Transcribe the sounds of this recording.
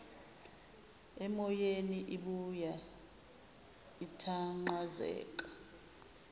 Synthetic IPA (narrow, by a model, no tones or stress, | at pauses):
ɛmɔjeniʔiɓuja | itʰaŋ͡ǃazɛ̰ːk̬ʼḁ